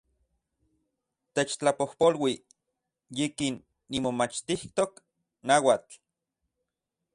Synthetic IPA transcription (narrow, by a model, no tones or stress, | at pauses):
t̪et͡ʃt͡ɬapohpolwi | jikinː | imomat͡ʃt̪iht̪ok | nawat͡ɬ